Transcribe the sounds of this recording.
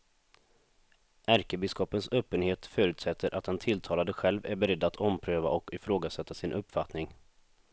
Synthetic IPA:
ʔæɾkəbɪskɔpənsøːpːənheːt̪fœːɾʉt̪sɛt̪ʰːəɾʔat̪̚dɛnt̪ʰɪlt̪ʰɑːlad̪əɧɛlvæɾbɛɾɛd̪ːat̪ʰɔmpʰɾøːva̰ʔɔkɪfɾoːɡasɛt̪ːasɪnʔɵpːfat̪nɪŋ

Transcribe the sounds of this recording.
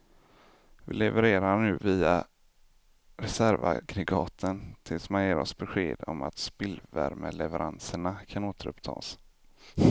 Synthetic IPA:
vɪlɛvəɾeːɾanʉ̟ːviːa | ɾɛsæɾva̰ɡɾɪɡɑːt̪ʰənt̪ʰɪlsmanjeːɾɔsbɛɧeːd̪ɔma̰t̪spɪlvæɾməlɛvɛɾʔansəɳakʰanoːt̪əɾɵpt̪ʰɑ̰ːs

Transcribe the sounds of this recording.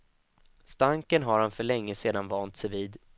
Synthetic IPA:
st̪aŋkənɦaɾhanfœɭɛŋːəseːd̪anvɑːnt̪sɛjviːd̪

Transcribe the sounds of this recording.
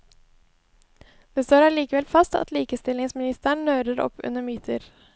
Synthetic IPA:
d̪̥eːst̪oːɾæɭiːkəʋɛlfɑst̪ɑ̰t̪liːkəst̪ɪlɪŋsmɪnɪst̪əɳːøːɾəɾɔ̰pʰːʉ̰nəmyːt̪ʰəɾ

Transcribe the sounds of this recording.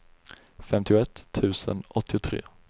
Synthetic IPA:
fɛmt̪ɪʊɛt̪ʰːʉ̟ːsə̰nɔt̪ːɪʊt̪ʰɾḛː

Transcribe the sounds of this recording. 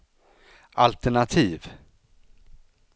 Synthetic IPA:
ʔalt̪ɛɳat̪ʰiːv

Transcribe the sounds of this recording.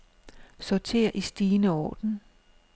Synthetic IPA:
sɒt͡sʰe̝̰ːɐ̰ʔisd̥iːnəɒ̰ːd̥n̩

